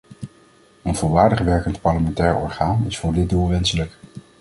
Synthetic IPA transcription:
ənvʊːlˠʋaːɹdəχʋɛɹkəntpɑɹləmɛntɛːɹɔ̰ɹχaːnɪsfʊːɹdɪd̚dulˠʋɛnsələk

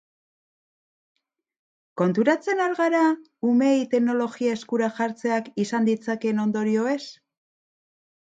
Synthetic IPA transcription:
ko̞nt̪uɾat͡se̞noɾɣaɾa | ume̞jt̪e̞kno̞lo̞ɣiae̞skuɾaʝaɾt͡se̞akisand̪it͡sake̞no̞nd̪o̞ɾio̞e̞s

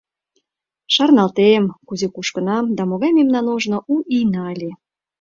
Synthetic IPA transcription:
ʃɑrnɑlt̪emkuzekuʃkə̆nɑmd̪ɑmoɣɑjmemnɑnoʒnoʔuʔijnɑlʲe

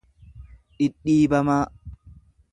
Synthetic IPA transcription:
ᶑɪɗːiːbɐmaː

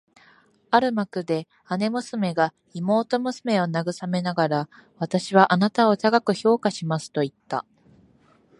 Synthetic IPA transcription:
aɾɯ̟makɯ̟d̪e̞ | ane̞mɯ̟sɨme̞ɡa | imo̞ːt̪o̞mɯ̟sɨme̞o̞naɡɯ̟same̞naɡaɾa | β̞at̪aɕiβ̞aʔanat̪ao̞t̪aɡakɯ̟ço̞ːkaɕimasɨ̥t̪o̞it̪ːa̰

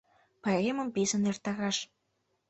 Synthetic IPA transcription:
pɑemə̆mpizə̆nert̪ɑɣɑʃ

